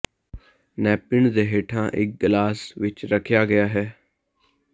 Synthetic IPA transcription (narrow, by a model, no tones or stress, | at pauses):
nɛːpɪɳd̪eːɦeːʈʰãːʔɪ̰k̚ɡlaːsʋɪt͡ʃɾəkʰjaːɡəjaːɦɛː